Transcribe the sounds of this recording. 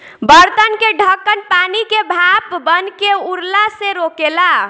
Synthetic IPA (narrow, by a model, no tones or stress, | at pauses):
bəɾt̪ənkeɖʱəkːənpanikebʱapbənkeuɾlaseɾokela